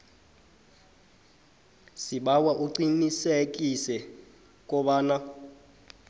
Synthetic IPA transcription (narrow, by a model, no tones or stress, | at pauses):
siɓawaʔuǀinisek̬ʼisɛ | k̬ʼɔɓaːna